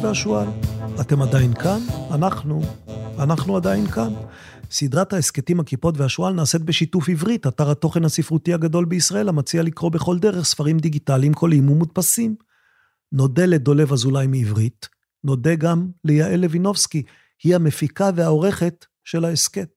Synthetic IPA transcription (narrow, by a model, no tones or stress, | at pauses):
veaʃualate̞madajinkananaχnuanaχnuadainkan | sid̪ʁathaesketimakipo̞tveaʃualnaːse̞t̪̚be̞ʃitufivʁitataʁhato̞χe̞nhasifʁutiaɡado̞lbeisʁae̞lamat͡sialikʁo̞be̞χo̞ld̪eʁeχsfaʁimd̪iɡitalimkʰo̞limumutpasim | no̞de̞le̞dole̞vazulajmiːvʁit | no̞deɡamlejaʔele̞vino̞fski | hihamefikaveao̞ʁe̞χe̞t | ʃe̞laesket̚